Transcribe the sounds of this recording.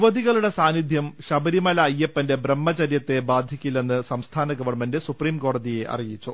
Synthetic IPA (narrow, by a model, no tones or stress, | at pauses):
ʋɐðiɣɐɭuɽe̞saːnid̪ʱjɐmɕɐbɐɾimɐlɐːɐjːepːɐnde̞bremːɐt͡ɕɐɾjɐt̪ːe̞baːd̪ʱjikʲːilːenːɨsɐmst̪ʰaːnɐɡɐʋɐrmendesupriːmko̞ːɽɐðije̞ʔɐ̰rijit͡ɕːu